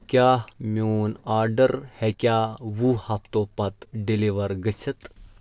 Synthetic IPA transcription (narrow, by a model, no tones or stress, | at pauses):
kʲjaːmʲoːnaːɾɖəɾhɛkʲaːʋuhɐpt̪oːpɐt̪ɖiliʋɐɾɡət͡ʃʰɐt̪